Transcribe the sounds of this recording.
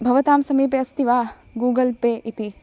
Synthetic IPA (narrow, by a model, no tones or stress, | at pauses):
bʱɐʋɐt̪aːmsɐmiːp̬eɐst̪iʋaː | ɡuːɡɐlpeːʔit̪i